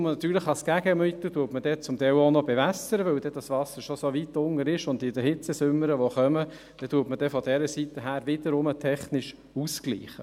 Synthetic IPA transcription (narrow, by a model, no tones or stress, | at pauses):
mənɑt̪yːɾləχɑskæɡəmyt̪ətuːtməd̥̪ɛt͡sʊmt̪ɛwonɔbɛʋæsəɾəʋɵwd̥ɛd̥ɑsʋɑsəɾʃɔsoʋit̪ʊŋəɾɪʃʊnd̪ɪdəhɪt͡səsʏmːəɾəʋoχœmə | d̥ɛtuːtməd̥ɛfɔdɛɾəsit̪əɦæːɾʋɪd̥əɾʊmətʰɛχnɪʃ | usklḭːχə